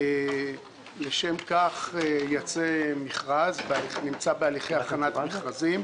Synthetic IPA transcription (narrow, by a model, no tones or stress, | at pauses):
leʃe̞mkaχejat͡semiχʁazbealinimt͡sabealiχejaχanat̪miχʁazim